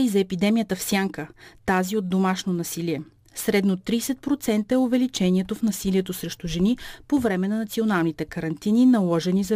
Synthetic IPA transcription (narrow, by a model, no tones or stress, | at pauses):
izɐɛpid̪ɛmijət̪əfsʲjaŋkət̪aziod̪̚d̪omaʃnonɐsiliɛ | sɾɛd̪not̪ɾisɛt̪̚pɾot̪sɛnt̪əɛovɛlit͡ʃɛniɛt̪ofnɐsiliɛt̪osɾɛʃt̪uʒɛnipovɾɛmɛnɐnɐt̪sionalˠnit̪ɛkɐɾɐnt̪ininɐlˠɔʒɛnizɐ